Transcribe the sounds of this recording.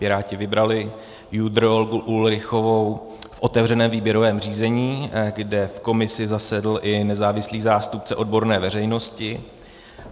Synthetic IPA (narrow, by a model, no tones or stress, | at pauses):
pɪɾaːcɪvɪbɾalɪ | jud̪ɾoolɡuʔulɾɪxo̞vo̞w | fʔo̞t̪ɛvr̝ɛnɛːmviːbjɛɾovɛːmriːzɛɲiːɡdɛfkomɪsɪzasɛdl̩ʔɪnɛzaːvɪsliːzaːst̪up̚t͡sɛʔo̞d̚bo̞ɾnɛːvɛɾɛjno̞scɪ